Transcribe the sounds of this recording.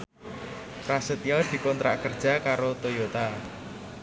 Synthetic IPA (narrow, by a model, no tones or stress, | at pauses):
rasət̪iɔd̪̥i̤kɔnt̪ɾʔa̰ʔkərd̥ʒ̥a̤kaɾot̪ojot̪a